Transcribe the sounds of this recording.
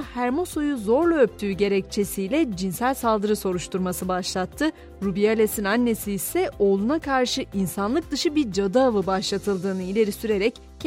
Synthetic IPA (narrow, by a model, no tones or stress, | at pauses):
hæɾmo̞so̞juzo̞ɾlˠaøp̚t̪ʰyːɟe̞ɾɛct͡ʃʰe̞sijlʲɛd͡ʒinsælʲsalˠd̪ɯɾɯso̞ɾuʃt̪uɾmasɯbaʃlˠat̪ʰːɯ | ɾubijalʲesinanːe̞siːsɛo̞ːlˠunakʰaɾʃɯʔinsanlˠɯk̚d̪ɯʃɯbiɾd͡ʒad̪aːvɯbaʃlˠat̪ʰɯlˠd̪ɯːnɯilʲe̞ɾisyɾe̞ɾɛcː